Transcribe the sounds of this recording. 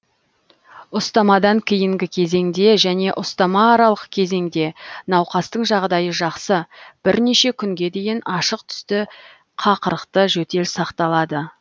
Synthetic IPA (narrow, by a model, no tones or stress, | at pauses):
ʊst̪ɑmɑd̪ɑŋkʲʰijɪŋɡʲɪkʲʰe̞ze̞ŋd̪e̞ʒæne̞ʔʊst̪ɑmɑːɾɑlˠəqkʲʰe̞ze̞ŋd̪e̞nɑwqɑst̪əɴʒɑʁd̪ɑjəʒɑqsəb̥ɪɾne̞ʃe̞kʲʰʏŋɡʲe̞d̪e̞jɪnɑʃəqt̪ʰʏ̥st̪ɪ | qʰɑqəɾəqt̪əʒɵt̪e̞lsɑqt̪ɑlˠɑd̪ə